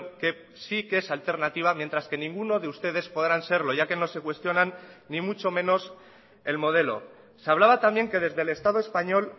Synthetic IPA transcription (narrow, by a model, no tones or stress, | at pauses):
ke̞ | sikesalt̪e̞ɾnat̪iβ̞amje̞nt̪ɾaske̞nĩŋɡuno̞ð̞e̞ust̪e̞ð̞e̞spo̞ð̞ɾanse̞ɾlo̞ʝake̞no̞se̞kwe̞st̪jo̞nanːimut͡ʃo̞mẽ̞no̞s | e̞lmo̞ðe̞lo̞̰ | saβ̞laβ̞at̪ambje̞ŋke̞ð̞e̞zðe̞le̞st̪að̞oespaɲo̞l